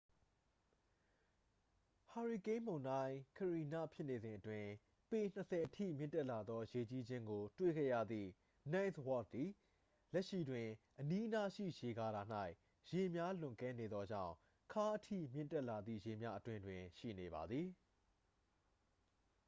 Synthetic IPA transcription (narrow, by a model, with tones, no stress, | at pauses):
ha˨ɹi˨kẽ˦mõ˨ʊ̃nã˦ɪ̃kʰəɹi˨na̰˦˨pʰjɪ˦ʔne˨zɪ̃˨ʔətwɪ̃˨ | pe˨n̥əsʰɛ˨ʔətʰḭ˦˨mjɪ̰̃˦˨ntɛ˦ʔla˨d̪ðɔ˦je˨t͡ɕi˦d͡ʑɪ̃˦ŋɡo˨twḛ˦˨ɡɛ̰˦˨jä̰˦˨d̪ðḭ˦˨ | nã˦ɪnswɔ˦˨t̚d̪i˨ | lɛ˦ʔʃḭ˦˨dwɪ̃˨ʔəni˦ʔəna˦ʃḭ˦˨je˨ɡa˨ɾa˨n̥a˦ɪʔ | je˨mja˦l̥ʊ̃˨ŋkɛ̃˦ne˨d̪ðɔ˦d͡ʑã̰˦˨ʊ̃ | kʰa˦ʔətʰḭ˦˨mjɪ̰̃˦˨tɛ˦ʔla˨d̪ðḭ˦˨je˨mja̰˦ʔətwɪ̃˦ndwɪ̃˨ʃḭ˦˨ne˨βa˨d̪ði˨